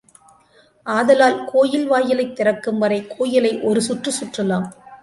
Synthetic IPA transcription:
ʔaːðɐlaːlkʰoːjɪlʋaːjɪlɐɪt̪ːɪɾɐkːɯmʋɐɾɐɪkʰoːjɪlɐɪʔɔɾɯsʊʈrɯsʊʈrɐlaːm

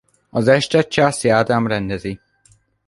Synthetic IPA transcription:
ɒzɛʃt̪ɛt͡ʃaːsiaːd̪amɾɛnd̪ɛzi

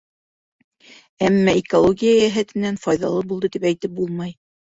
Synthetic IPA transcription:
æmːæikolˠoɡʲijajæɦæt̪ɘ̆nːænfɑjðɑlˠɤbulˠd̪ɤt̪ipæjt̪ɘp̚bulˠmɑj

